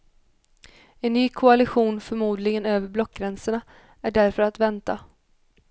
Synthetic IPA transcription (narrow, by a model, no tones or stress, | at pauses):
ɛnːyːkʰʊalɪɧuːnfœɾmuːd̪lɪɡənøːvəɾblɔkːɡɾɛnsəɳa | æɖæɾfœɾat̪vɛnt̪a